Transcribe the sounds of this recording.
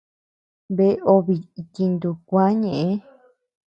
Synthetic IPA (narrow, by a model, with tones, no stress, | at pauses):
βe˧˦o˧βi˨i˧t̪i˧nd̪u˧kʷã˦ɲẽ˨ʔẽ˦